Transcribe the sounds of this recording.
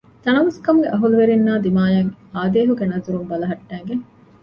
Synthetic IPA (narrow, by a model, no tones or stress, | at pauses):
t̪ɐnɐʋɐskɐmuɡeʔɐɦuluʋeɾinːaːd̪imaːjɐŋaːd̪eːɦuɡenɐzuɾumbɐlɐɦɐʈːæːɡeŋ